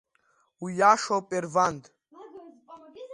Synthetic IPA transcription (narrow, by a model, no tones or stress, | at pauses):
ujaːʃɔpʼɛɾvand̪